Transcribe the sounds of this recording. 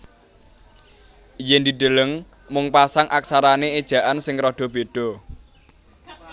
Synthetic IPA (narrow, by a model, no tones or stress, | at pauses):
jɛnd̪iɖ̪̥ə̤ləŋ | mʊŋpasaŋʔaksaɾaneed̥ʒ̥a̤ʔansɪŋɾɔɖ̪̥ɔ̤b̥e̤ɖ̥ɔ̤